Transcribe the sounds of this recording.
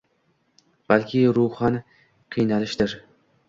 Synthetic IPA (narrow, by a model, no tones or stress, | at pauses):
b̥alkʲʰɪɾʊχɑnɪ | qʰɨjnalɪʃd̪ɪɾ